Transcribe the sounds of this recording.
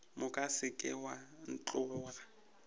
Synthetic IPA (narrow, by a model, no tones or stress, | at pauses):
mʊkʼasɪkʼɪ̰wan̩t͡ɬʼʊːra